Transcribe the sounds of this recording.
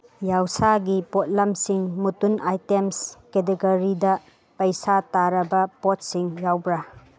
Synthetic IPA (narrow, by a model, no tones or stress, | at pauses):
jawsaɡipɔt̚lamsiŋmutunajtemsket̬eɡoɾidɐ | pɐjsataɾɐbɐpɔt̚siŋjawbɾa